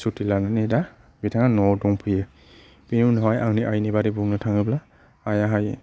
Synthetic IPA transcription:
sutʰilananeda | bitʰaŋanɔdɔŋpʰɯje | binunɔɦajaŋniʔajnibaɾibuŋnɯtʰaŋɯbla | ajaɦaj

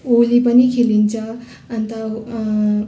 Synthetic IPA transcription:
olipənikʰelint͡sʌː | nt̪ə

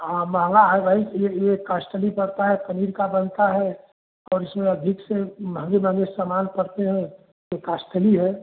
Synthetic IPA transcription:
amãːŋɡaɦaːʋaːɪsjejekaːsʈ̪əlipɐɽt̪aɦɛpəniːɾkabənt̪aɦɛː | ɔːɾɪsmẽɐd̪ʱɪksemʱə̃ŋɡemʱə̃ŋɡesamaːnpəɽt̪eɦɛ̃ | jekaːsʈ̪ʰəliɦɛː

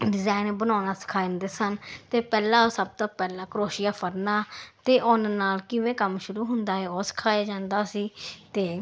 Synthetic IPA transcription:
ɖɪzaːɪnbənaːnaːskʰaːjnd̪eːsənt̪eːpɛːlãːsəb̚t̪õːpɛːlãːkəɾoːʃɪjaːpʰəɾnaːt̪eːʔoːnnaːlkɪʋẽːkəmʃʊɾuːɦʊnd̪aːɦɛːoːsə̥kʰaːjaːd͡ʒãːnd̪aːsiːt̪eː

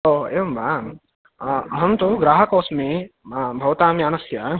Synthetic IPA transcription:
oːeːʋɐmbʱa | ɦɐmt̪oɡɾaːɦɐkoːsmẽbʱɐʋt̪aːmjaːnɐsja

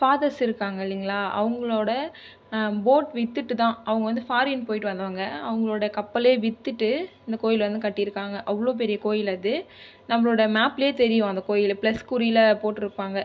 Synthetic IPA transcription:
faːðɐsɪɾɯkːaːŋɡɐɐlːɪŋɡɐɭaːʔɐ̰ʋɐŋɡɐɭoːɽɐ | boːʈʋɪt̪ːɯʈːɯt̪ãːɐʋɐŋɡɐʋɐnd̪ɯfaːɾɪnpoːjɪʈːɯʋɐnd̪ɐʋaːŋɡɐɐʋɐŋɡɐɭoːɽɐjɐkɐpːɐleːʋɪt̪ːɯʈːɯɪnd̪ɐkoːjɪlʋɐnd̪ɯkɐʈːɪjɪɾɯkːaːŋɡɐʔɐʋːɐɭoːp̬ɛɾɪjɐkoːjɪlɐðɯ | nɐmːɐɭoːɽjɐmaːpːeːt̪ɛɾɪjʊ̃ɐnd̪ɐkoːjɪlplɐskʊɾiɪlɐpoːʈːɪɾɯpːaːŋɡɐ

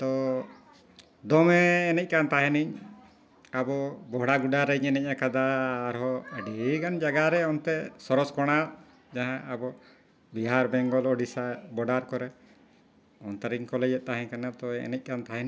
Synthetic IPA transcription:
t̪ɔ | d̪ɔmɛːnɛc̚kant̪aɦɛniɲ | abɔbɔɦɽaɡuɖaɾəɲɛnɛc̚akad̪aːɾɦɔəɖikand͡ʒaɡaɾɛɔnt̪ɛsɔɾɔskɔɽ̃aʔ | d͡ʒaɦãːbɔ | biɦaɾbɛŋɡɔlɔɖisabɔɖaɾkɔɾɛ | ɔnt̪aɾiɲkɔlɛd͡ʒɛt̪̚t̪aɦɛ̃ɲkanat̪ɔɛɛ̰nɛc̚kant̪aɦɛni

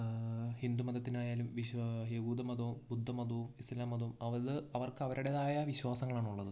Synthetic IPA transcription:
hind̪umɐd̪ɐt̪ːinaːjaːlumʋiɕeɣuːd̪ɐmɐd̪ɐʋumbud̪ʱːɐmɐd̪ɐumislaːmɐd̪ɐumɐʋɐðɨɐʋɐrkɐʋɐɾuɽeðaːjɐʋiɕwaːsɐŋːɐɭaːɳuɭːɐðɨ

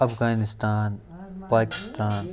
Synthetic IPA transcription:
ɐpʰɡaːnɪst̪aːn | paːkɪ̥st̪aːn

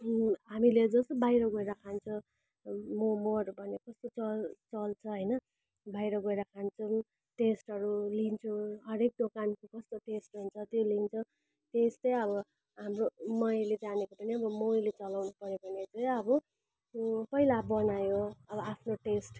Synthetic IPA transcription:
ɦamiled͡zʌst̪ʌbajɾʌɡʌeɾakʰant͡sʰʌ̃ | momoɾubʱʌnekʌst̪ot͡sʌlt͡sʌlt͡sʰʌɦʌjnʌ | bajɾʌɡʌjɾakʰant͡sʰʌ | ʈesʈɦʌɾulint͡sʰuɦʌɾek̚d̪okankokʌst̪oʈesʈunt͡sʰʌt̪jolint͡sʰʌ | tesʈʌjʌβʌ | ɦamromʌjled͡zanekopʌniʌbʌmojlet͡sʌlawnupʌɾjopʌnet͡sʌjʌbʌ | pʌilabʌnajoʌbʌapʰnoʈesʈ

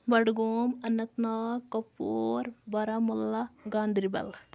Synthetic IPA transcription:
bɐɽɡoːmɐnɐt̪naːkɐpːoːɾbɐɾɐmɐlːɐɡaːnd̪ʱɾibɐ̰l

